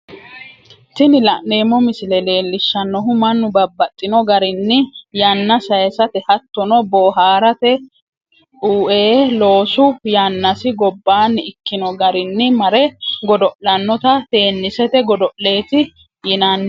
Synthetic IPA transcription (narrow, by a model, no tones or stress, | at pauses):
t̪ɪnɪlɐʔne̞ːmːɔmɪsɪlɛle̞ːlːɪʃːɐnːɔɦʊmɐnːʊbɐbːɐt̪ʼːɪnɔɡɐɾɪnːɪjɐnːɐsɐjsɐt̪ɛhɐt̪ːɔnɔboːɦaːɾɐt̪ɛ | uːʔeːlo̞ːsʊjanːɐsɪɡɔbːaːnːɪɪkːɪnɔɡɐɾɪnːɪmɐɾɛɡɔd̪ɔʔlɐnːɔt̪ɐt̪e̞ːnːɪsɛt̪ɛɡɔd̪ɔʔle̞ːt̪ɪ | jɪnɐnː